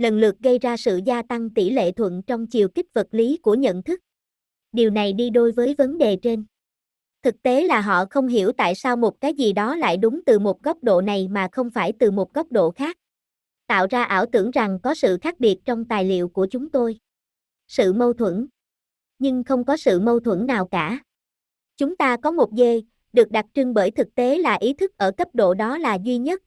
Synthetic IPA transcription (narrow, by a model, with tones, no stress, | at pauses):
lə˨˩nlɨ˨˩ək̚ɣə˧jzaː˧sɨ̰˧˨zaː˧t̪a˧ŋt̪i˧˩lḛ˧˨t̪ʰwə̰˧˨nt͡ɕɔ˧wŋ͡mt͡ɕi˨˩əwki˦˥t̚və˨˩t̚li˨˦ku˧˩əɲə̰˧˨nt̪ʰɨ˦˥k̚ | ɗi˨˩əwna˨˩jɗi˧ɗo˧jvəː˨˦jvə˨˦nɗe˨˩t͡ɕe˧n | t̪ʰɨ˨˩k̚t̪e˨˦laː˨˩ɦɔ̰˧˨xə˧wŋ͡mɦi˧˩əwt̪a̰ː˧˨jsaː˧wmo˨˩t̚kaː˨˦jzi˨˩ɗɔ˨˦la̰ː˧˨jɗʊ˨˦ŋ͡mt̪ɨ˨˩mo˨˩t̚ɣɔ˦˥wk͡p̚ɗo̰˧˨na˨˩jmaː˨˩xə˧wŋ͡mfaː˧˩jt̪ɨ˨˩mo˨˩t̚ɣɔ˦˥wk͡p̚ɗo̰˧˨xaː˦˥k̚ | t̪a̰ː˧˨wzaː˧ʔaː˧˩wt̪ɨ˧˩əŋza˨˩ŋkɔ˨˦sɨ̰˧˨xaː˦˥k̚ɓi˨˩ət̚t͡ɕɔ˧wŋ͡mt̪aː˨˩jlḭ˧˨əwku˧˩ət͡ɕʊ˨˦ŋ͡mt̪o˧j | sɨ̰˧˨mə˧wt̪ʰwə˧˩n | ɲɨ˧ŋxə˧wŋ͡mkɔ˨˦sɨ̰˧˨mə˧wt̪ʰwə˧˩nnaː˨˩wkaː˧˩ | t͡ɕʊ˨˦ŋ͡mt̪aː˧kɔ˨˦mo˨˩t̚ɣe˧ | ɗɨ˨˩ək̚ɗa˨˩t̚t͡ɕɨ˧ŋɓəː˧˩jt̪ʰɨ˨˩k̚t̪e˨˦laː˨˩ʔi˨˦t̪ʰɨ˦˥k̚ʔəː˧˩kə˦˥p̚ɗo̰˧˨ɗɔ˨˦laː˨˩zwi˧ɲə˦˥t̚